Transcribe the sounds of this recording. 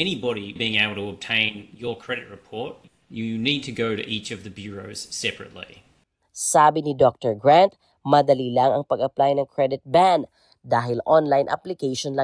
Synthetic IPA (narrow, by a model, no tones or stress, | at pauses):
ɛñibɑɾibiɪ̃ŋeɪbl̩ˠtʰəəb̚tʰẽɪ̃njə˞kʰɹ̥ɛɾɨt̚ɹɨpʰɔɹt̚ | jɨnid̚tʰɨɡoʊɾɨ̰ʔit͡ʃʌvðɨbjʊɹoʊz̥sɛpɹɨ̰tˡlḭ | saːbɪnɪd̪ɔk̚t̪ɛɹɡɹant̪̚ | mɐd̪ɐlilɐŋɐŋpɐɡɐplajnɐŋkʰɹɛd̪ɪt̪̚band̪ | d̪aːɦɪlʔɔnlajnʔa̰plɪkejʃonlɐ